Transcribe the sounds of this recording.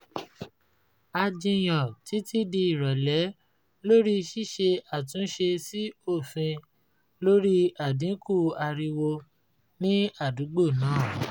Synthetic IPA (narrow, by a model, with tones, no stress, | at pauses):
a˧d͡ʒĩ˧j̃ɔ̃˨ti˨˦ti˦di˧i˦˨ɾɔ˨lɛ˨˦ | lo˦ɾi˦˧ʃi˦˨ʃe˧a˦˨tũ˨˦ʃe˧si˦o˦˨fĩ˧ | lo˦ɾi˦a˦˨dĩ˨˦ku˦˨a˧ɾi˧wo˧ | nĩ˦a˦˨du˨˦ɡ͡bo˦˨nãː˨˦˨